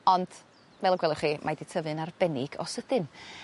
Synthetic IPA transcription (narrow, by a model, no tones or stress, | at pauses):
ɔnd̥ | vɛlˠɔɡwɛlˠɪχimʔadɪtʰəvɨnarb̥ɛnɪɡɔ̰səd̥ɨn